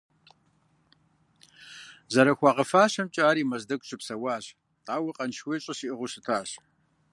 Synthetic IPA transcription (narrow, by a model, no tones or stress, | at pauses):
zɐɾɐxʷɑːqəfaːɕɐmt͡ʃʼaːɾiːmɐzdɐɡʷɕɪpsɐwaːɕ | aːwɐqʼɐnʃweːɕʼɐʃiʔɨʁʷʊɕɪtʰaːɕ